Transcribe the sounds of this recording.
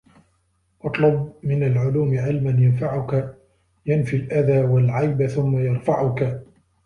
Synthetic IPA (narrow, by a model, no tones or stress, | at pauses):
ʔɑt̪ˤlʊbmɪnalʕʊluːmɪʕɪlmanjanfaʕʊka | janfilʔaðaːwalʕajbθʊmːajɑɾˤfaʕʊka